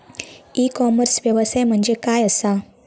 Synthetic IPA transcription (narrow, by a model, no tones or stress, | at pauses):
ikɔməɾsʋjəʋəsajm̤əɳd͡zekajəsa